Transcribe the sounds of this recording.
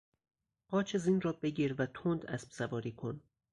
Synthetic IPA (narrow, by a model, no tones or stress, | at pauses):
ɢ̥ɒːt͡ʃʰezinrɒːbe̞ɟiːɾvæt̪ʰond̪æspsævɒːɾiːkʰon